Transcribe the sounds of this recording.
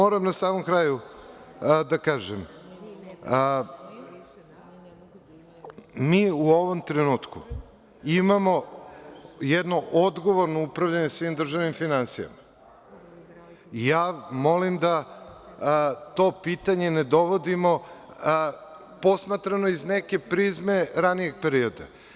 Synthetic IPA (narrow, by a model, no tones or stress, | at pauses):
oɾamnasaːmomkɾaːju | d̪akaːʒem | miːuo̞ʋo̞mt̪ɾenuːt̪ku | imamo̞ | jɛd̪no̞ʔod̪ɡo̞ʋo̞ɾnoupɾaʋʎaɲesʋimd̪r̩ʒaʋnimfinansija̰ma | jaːmo̞limd̪a | t̪o̞pit̪aɲe̞ned̪o̞ʋo̞d̪imo̞ | po̞smat̪ɾanoizneke̞pɾizme̞ɾanije̞ɡ̚peɾio̞d̪a̰